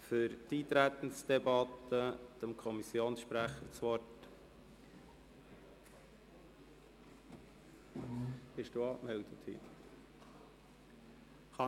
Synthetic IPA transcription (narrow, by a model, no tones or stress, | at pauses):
fʏɾtiːt̪ɾæt̪ən̩sd̥̪ɛbɑt̪əd̥əmkʰɔmisjoːnsʃpɾæχəɾt͡sʋɔt | b̥ɪʃd̥uːɑːkmɛld̥̪ət̪hḭ | χɑ